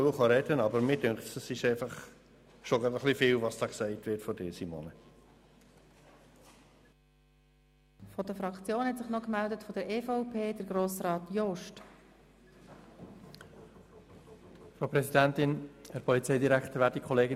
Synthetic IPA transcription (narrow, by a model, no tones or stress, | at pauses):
əχɑɾɛd̥ənɑbəɾmɪdʏŋktəsɪʃæɪfɑχ | ʃoɡɾɑdəχlifɪlvɑsd̥ɑːksæɪtʋɪtfɔdɪːsimo̰nə | fɔdəfɾɑkt͡sjoːnhɛtsɪχnɔkmæld̪ətfɔd̥̪əɾeːfɔʊpʰeːd̥əɾɡɾoːsrɑːt̪jɔʃt | fɾoʊpɾɛsidænt̪ɪnhɛɾpʰɔlit͡sɛɪd̪iɾækχt̪əɾvʋæːɾdikʰχɔleːɡɪ